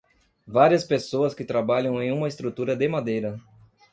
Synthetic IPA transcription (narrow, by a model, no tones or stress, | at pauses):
vaɾiɐspesoɐskɪt̪ɾabaʎɐ̃w̃ẽj̃ũmɐɪst̪ɾut̪uɾɐd̪emad̪ejɾɐ